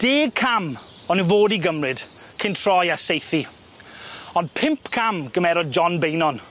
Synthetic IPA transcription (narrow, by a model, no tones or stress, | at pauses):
d̥eːkʰam | ɔnɨvoːdiɡəmrɪd̥kʰɪntʰr̥ɔjasejθi | ɔndpʰɪmpʰkʰamɡəmɛɾɔd̚d͡ʒɔnbejnɔn